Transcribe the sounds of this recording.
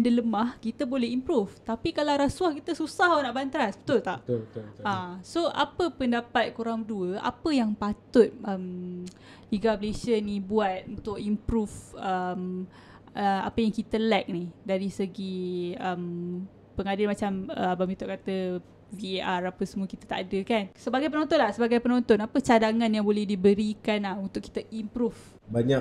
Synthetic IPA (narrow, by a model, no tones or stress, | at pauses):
ndələmahkit̪əbolɛhimpɾuft̪apikalaɾaswahkit̪əsusaɦonaʔbant̪ɾasbə̥t̪ʊlt̪aʔasoʔa̰pəpəndapat̪̚kuɾaŋduəʔa̰pəjaŋpat̪ʊt̪̚əm | liɡabəlesənibuat̪̚unt̪ʊk̚impɾufəm | əa̰pəjaŋkit̪əlɛk̚nidaɾisəɡiəm | pəŋadɪlmat͡ʃaməbamit̪ʊʔkat̪ə | vieʔarapəsəmukit̪at̪a̰ʔadəkansəbaɡajpənont̪ɔnlahsəbaɡajpənont̪ɔnapət͡ʃadaŋãnjaŋbolɛhdibəɾikanlahunt̪ʊki̥t̪aʔimpɾuf | baɲak